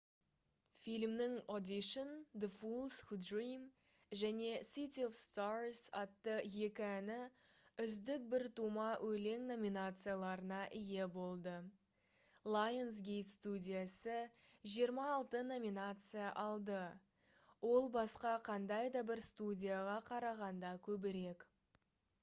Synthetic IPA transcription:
fijlmnɪŋo̞d̪ʲiʃond̪əfulˠsxud̪rim | ʒæne̞sit̪ʲio̞fst̪arsɑt̪ːəje̞kʲɪænɪʏzd̪ɪk̚bɪɾt̪umɑwʔɵle̞ŋno̞mʲinat̪sɨjalˠɑɾənɑʔɪje̞bo̞lˠd̪ə | lˠajensɡʲe̞jt̪st̪udʲijasəʒijəɾmɑːlˠt̪əno̞mʲinat̪sɨjaʔɑlˠd̪ə | wo̞lˠbɑsqɑqʰɑnd̪ɑjd̪ɑbɪɾst̪udʲijaʁɑqʰɑɾɑʁɑnd̪ɑkʲʰɵbɪɾe̞k

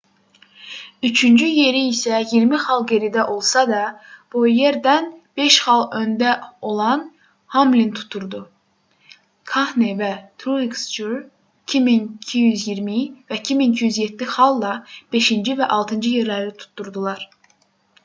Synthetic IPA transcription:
yt͡ʃʰynd͡ʒyje̞ɾiːsæjiɾmiχɑlˠɟe̞ɾid̪æʔo̞lˠsɑd̪ɑb̥ujeɾd̪ænb̥e̞ʃχɑlˠø̞nd̪æo̞lˠɑn | hɑmlint̪ʰu̥t̪ʰːuɾd̪u | kʰɑhnevæt̪ʰɾuiksd͡ʒuɾ | icʰimincʰijyzjiɾmivæicʰiminicʰijyzjet̪ːixɑlˠːɑb̥e̞ʃind͡ʒivæʔɑlˠt̪ʰɯnd͡ʒɯje̞ɾlæɾit̪ʰu̥t̪ʰːuɾd̪ulˠɑɾ

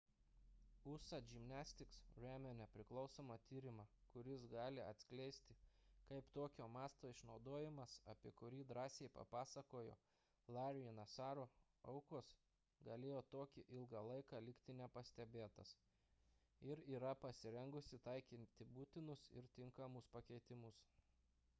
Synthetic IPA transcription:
ʊsɐd͡ʒʲɪmʲnʲæːsʲt̪ʲɪksɾʲæːmʲoːnʲɛpʲɾʲɪklˠɒʊsoːmɐt̪ʲiːɾʲɪmɑːkʊɾʲɪsɡɑːlʲɪɐ̰t̪ʲsʲkʲlʲɛɪsʲt̪ʲɪkɐɪpt̪oːkʲoːmɑːst̪oːɪʃnɒʊd̪oːjɪmɐsɐpʲiɛkʊɾʲiːd̪ɾɑːsʲeɪpɐ̰pɑːsɐkoːjo̰ː | lˠɑːɾʲɪɪnɐsɑːɾoː | ɐʊkoːs | ɡɐlʲeːjoːt̪oːkʲɪʔɪlˠɡɑlˠɐɪkɑːlʲɪkt̪ʲɪnʲɛpɐsʲt̪ʲɛbʲeːt̪ɐs | ɪɾiːɾɐpɐsʲɪɾʲɛŋɡʊsʲɪt̪ɐɪkʲɪnt̪ʲɪbuːt̪ʲɪnʊsɪ̰ɾt̪ʲɪŋkɐmʊspɐkʲɛɪt̪ʲɪmʊs

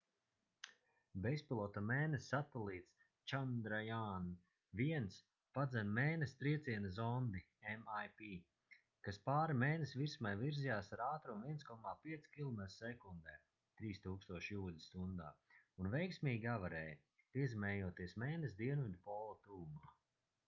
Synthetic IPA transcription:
bespilˠɔt̪amɛːnesːat̪ɛlˠiːt̪s | t͡ʃand̪ɾajaːn | viɛns | pad̪zɛnmeːnest̪ɾiɛt̪siɛnɐzɔnd̪i | emajpiː | kaspaːɾimɛːnesviɾsmajviɾzijaːsaɾaːt̪ɾumviɛnskɔmaːpiɛt̪skʲilˠɔmɛt̪ɾsɛkund̪ɛː | t̪ɾiːst̪uːkst̪uɔʃjuːlʲist̪und̪a̰ːunvɛjksmʲiːɡʲavaɾɛːj | piɛzimɛːjuɔt̪iɛsmɛːnes̬d̪iɛnid̪pɔːlˠat̪uːmaː

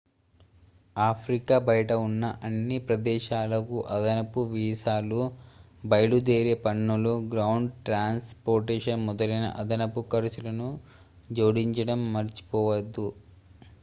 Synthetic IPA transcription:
aːpʰɾikaːbɐjɐʈɐunːɐʔɐnːipɾɐd̪ɛːʃaːlɐkuʔɐd̪ɐnɐpuʋiːsaːlubɐjɐɭud̪eːɾeːpɐɳːuluɡɾɐwɳɖʈɾaːnspoːɾʈeːʃɐnmɔd̪ɐlɐjnɐ̰ʔɐd̪ɐnɐpukɐɾɐt͡ʃulɐnu | d͡ʒoːɽiɲt͡ʃɐɽɐmːɐɾt͡ʃi̥pɔːʋɐd̪ːu

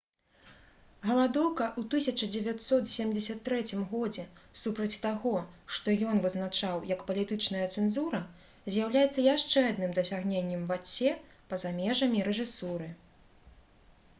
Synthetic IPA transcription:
ɣɐlˠad̪ɔwkɐʔut̪ɨsʲɐt͡ʂɐd͡zʲɛvʲat̪ʲsɔt̪sʲemʲd͡zʲɪsʲɐt̪ːɾɛt͡sʲimɣɔd͡zʲɛsupɾɐt͡sʲt̪aɣɔʂt̪ɔjɔnvɨznat͡ʂawjɐkpɐlʲit̪ɨt͡ʂnɐjɐt̪sɛnzuɾɐ | zʲjawlʲajɛt̪sːɐjaʂt͡ʂɛad̪nɨmd̪ɐsʲaɣnʲenʲːɛmvat͡sʲːɛ | pɐzamʲɛʐɐmʲiɾɛʐɨsuɾɨ

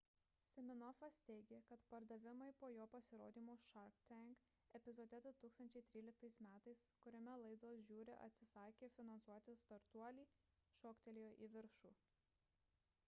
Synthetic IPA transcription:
sʲɪmʲɪnɔfɐst̪ʲɛɪɡʲeːkɐt̪pɐɾd̪ɐʋʲɪmɐɪpoːjoːpɐsʲɪɾo̰ːd̪ʲiːmoːʃɐɾkt̪ʲɛŋkɛpʲɪzɔːd̪ʲɛd̪ot̪uːkst̪ɐnʲt͡ʃʲɛɪt̪ʲɾʲiːlʲɪk̚t̪ɐɪsmʲæːt̪ɐɪskʊɾʲomʲɛlˠɐɪd̪oːs̬ʒʲuːɾʲɪ̰ʔɐ̰t̪ʲsʲɪsɑːkʲeːfʲɪnɐnsuɔt̪ʲɪst̪ɐɾt̪uɔlʲiː | ʃoːkt̪ʲɛlʲɪjoːʔiʋʲɪɾʃuː

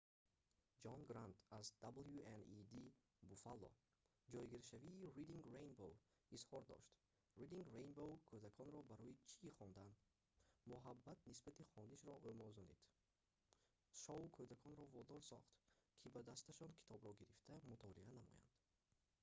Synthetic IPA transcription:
d͡ʒɔnɡɾant̪ʰazd̪̥abljuenid̪i | bufalːɔ̰ | d͡ʒɔjɡiɾʃaviːɾid̪iŋɡrejnbowishɔɾd̪ɔ̰ʃt̪ | ɾid̪iŋɡɾejnbowkʰød̪akʰɔnɾɔbaɾɔit͡ʃʰiːχɔnd̪an | muɦabːat̪nisbat̪ʰiχɔnd̪iʃɾɔʔømɔzɔnḭd̪̥ | ʃɔukʰød̪akʰɔnɾɔvɔd̪ɔɾsɔ̰χt̪kʰibad̪ast̪aʃɔnkʰi̥t̪ʰɔbɾɔɡiɾift̪ʰamut̪ʰɔlianamɔ̰ja̰nd̪̥

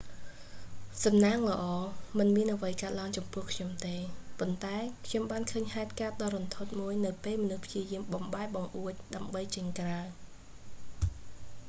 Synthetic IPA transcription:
sɑmnaːŋlə̰̆ʔɑːmɨnmiənʔəʋəjkaət̪̚laəŋt͡ɕɑmpʊ̆əhkʰɲomt̪eːpont̪aɛkʰɲomɓaːnkʰəːɲhaɛt̪̚kaət̪̚ɗɑːɾont̪ʰot̪̚muəjnɨwpeːlmɔnuhpʰjiəjiəmɓɑmɓaɛk̚ɓɑŋʔuəc̚ɗaəmɓəjt͡ɕəɲkraw

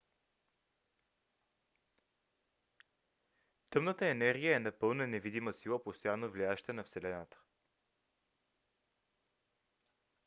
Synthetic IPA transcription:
t̪ɤmnət̪əɛnɛɾɡʲijəɛnɐpɤlˠnənɛvid̪iməsilˠəpost̪ojanːovliaʃt̪ɛnɐfsɛlɛnat̪ə̥

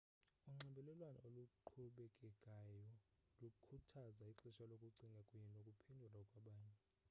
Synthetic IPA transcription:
uŋ͡ǁɛmbʱɛlɛlwana̰oluǃʰuɓɛkʼɛkʼajɔlukʰutʰazaiǀiʃalokʼuǀiŋɡʱakʼwininokʼupʰɛndʱulakʼwaɓaːɲɛ

